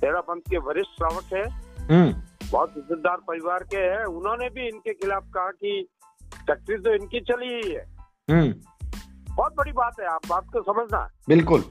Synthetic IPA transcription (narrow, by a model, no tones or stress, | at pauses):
t̪eːɾabɐ̃nt̪keʋʱɐɾɪʃʈɾaːʋəʈɦɛːɦũːbɔːt̪ɪsed̪aːɾpɐɾɪʋaːɾkeɦɛʊnɦõnebʱiɪnkexɪlaːfkɐɦaki | ʈɛk̚ʈɾizt̪oɪnkit͡ʃɐliɦiɦɛː | ɦː | bɔːt̪̚bɐɽibaːt̪ɦɛaːpbaːt̪̚kosɐməd͡ʒʱna̰bɪlkʊl